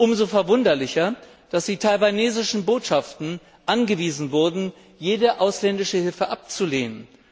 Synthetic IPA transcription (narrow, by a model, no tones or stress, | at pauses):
ʔʊmzofɛɐvʊndɐlɪçɐ | d̥asd̥iːtʰalvaneːzɪʃn̩boːtʃaftn̩ | ʔanɡəviːzn̩vʊɐdn̩ | jeːdəʔaʊslɛndɪʃəhɪlfəʔap̚t͡suleːnən